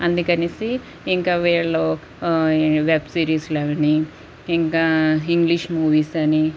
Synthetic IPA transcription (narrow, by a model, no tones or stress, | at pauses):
ɐnd̪ukɐnisiː | ŋkaːʋiːɭːo | ʋebsiːɾiːsleːʋɐɳiː | ŋkaːiŋɡliʃmuːʋiːsɐni